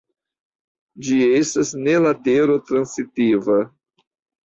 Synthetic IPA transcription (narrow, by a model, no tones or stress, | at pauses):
d͡ʒie̞stasne̞lateɾo̞tɾansitiva